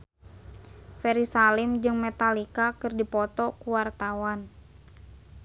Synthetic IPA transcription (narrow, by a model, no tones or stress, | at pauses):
fɛɾisalɪmd͡ʒɨŋmɛt̪alikakɨrdipɔt̪ɔkuwart̪awan